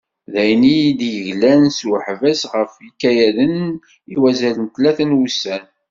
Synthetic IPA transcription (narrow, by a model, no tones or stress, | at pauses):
ðæjnijid̪jəʝlænswħvæsʁəfikːæjæðən | iwæzælənt̪læθənwusæn